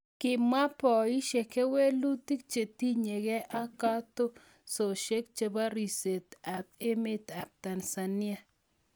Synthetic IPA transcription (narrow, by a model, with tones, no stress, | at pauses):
kɪ˨ma˦pɔ˨i˦ʃe˨ke˦we˦lu˦t̪i˦k̚t͡ʃe˨t̪i˦ɲe˨ɡe˦ʔa˦ka˦t̪o˦ | so˨ʃe˦k̚t͡ʃe˨ba˦ɾi˨se˨t̪a˨pɪ˦mɪ˦t̪a˨p̚t̪a˨nsa˨nɪ˦a˦